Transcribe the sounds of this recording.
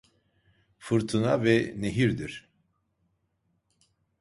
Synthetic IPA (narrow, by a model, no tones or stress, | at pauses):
fɯɾt̪ʰɯna̰vɛneɦiɾd̪iɾ̥